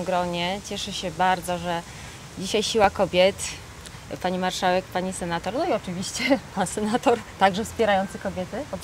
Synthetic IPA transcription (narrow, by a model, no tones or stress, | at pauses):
mɡɾɔɲɛt͡ɕɛʂɛɕɛbaɾd̪zɔʐɛ | d͡ʑiɕajɕiwakɔbʲjɛt̪ | paɲimaɾʂawɛkpaɲisɛnat̪ɔɾnɔiɔt͡ʂɘvʲiɕt͡ɕɛpansɛnat̪ɔɾt̪aɡʐɛfspʲɛɾajɔnt̪sɘkɔbʲjɛt̪ɘɔ